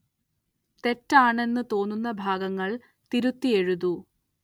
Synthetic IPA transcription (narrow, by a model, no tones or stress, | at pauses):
t̪e̞tːaːɳe̞nːɨt̪o̞ːnːunːɐbʱaːɡɐŋːɐɭ | t̪iɾut̪ːie̞ɻuðu